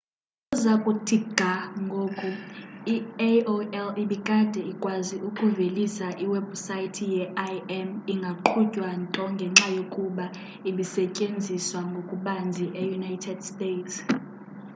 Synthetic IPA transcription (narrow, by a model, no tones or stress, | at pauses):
uzakʼutʰiɡ̥ʱaŋɡʱoːkʼuioɛliɓikʼad̥ʱɛikʼwaziʔukʼuvelisaʔiwɛb̥sajtʰijɛajɛmiŋɡʱaǃʰucʼwantʼɔŋɡʱɛŋ͡ǁajokʼuɓa | iɓisɛcʼend͡zʱiswaŋɡʱokʼuɓand͡zʱiʔejunajtʰɛdstʼeːts